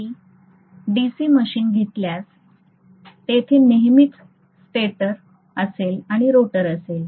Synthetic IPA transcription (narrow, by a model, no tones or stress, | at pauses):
i | ɖisiːməɕiːnɡʱet̪ljas | t̪et̪ʰiːneɦmit̪ | sʈeʈəɾ | əselaɽ̃iɾoʈəɾəsel